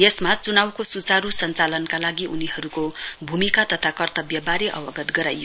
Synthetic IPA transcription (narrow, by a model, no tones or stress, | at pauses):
jesmat͡sunawkosut͡saɾusʌnt͡salʌnkalaɡiʔuniɦʌɾukobʱumikat̪ʌt̪ʰakʌrt̪ʌbjʌbaɾeʔʌwʌɡʌt̪ɡʌɾajo